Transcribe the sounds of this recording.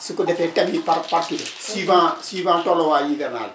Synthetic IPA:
sɪkodɛfɛtɛmĩpaɾpaɾkisivãsiːvãːtɔlɔwajĩvɛɾna̰l

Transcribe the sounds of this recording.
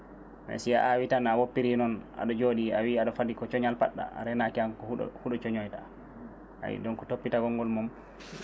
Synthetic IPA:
mɛ̰sia̰ʔawitanawopːiɾinɔnʔa̰ɗɔd͡ʒoɗiawiaɗɔfadikɔt͡ʃɔɲalpaɗːa̰a̰ɾɛnakiankɔ̰huɗɔt͡ʃɔɲɔjta | a̰wḭdɔnkɔtopːitaɡɔŋɡɔlmum

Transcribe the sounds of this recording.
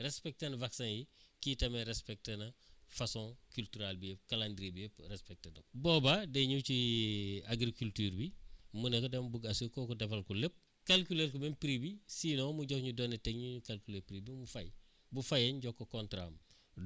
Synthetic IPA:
rɛspɛk̚tenɐvaksãjikiːtɐmeɾɛspɛk̚tenɐfɐsɔ̃kyltyɾalbijep̚kalandɾibijeprɛspɛk̚tenɐbɔːbadɛɲut͡ʃi | aɡɾikultyːɾbimunɛkɔdɛmbuɡɐsukɔːkɔdɛfɐlkulep̚ | kalkulelkumempɾibisiːnɔːmuɟɔkɲudɔːnetɛɡɲuɲukalkulepɾibimufaj | bufɐjɛɲɟɔkːɔkɔntɾa̰m

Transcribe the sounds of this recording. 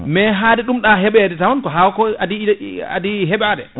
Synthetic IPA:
mɛɦadɛɗumɗaɦɛɓɛdɛtawankɔɦawkɔadia̰diɦɛɓaːdɛ

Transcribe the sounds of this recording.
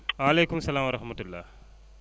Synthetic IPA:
ʋaːleːkʊmɐsɐlaːmɐɾɐɦmɐt̪ːʊlːa̰ː

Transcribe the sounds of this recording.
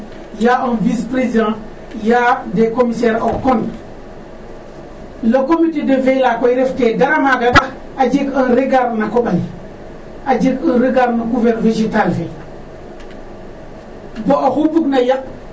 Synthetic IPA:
jaɔnvispɾezidã | jadekomisɛɾokon | lokomitedəvelakojɾeftedaɾamaɡaɗa | ad͡ʒikənɾiɡaɾnakoɓaj | ad͡ʒikənɾiɡaɾnaɡuvɛɾnved͡ʒitalfe | boʔoxupuɡnajaʔ

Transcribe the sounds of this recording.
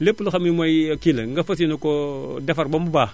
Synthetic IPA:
lepːulxamimʷaikilŋɡafas̬nokodafaɾbambuba

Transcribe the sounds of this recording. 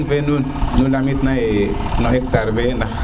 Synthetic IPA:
nbenu | nulamit̪nae | noek̚t̪aɾbena

